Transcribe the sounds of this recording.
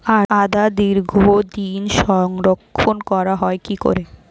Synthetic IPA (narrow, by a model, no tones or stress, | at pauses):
aad̪ad̪iɾɡʱod̪inʃɔŋɾokʰːonkɔɾaɦɔekiko̰ɾe